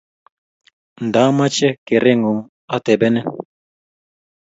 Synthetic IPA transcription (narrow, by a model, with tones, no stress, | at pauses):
n˨da˨˦ma˦t͡ʃɛ˦ke˨ɾe˦ŋɡo˨ŋ | a˦t̪ɛ˨bɛ˦nɛ˦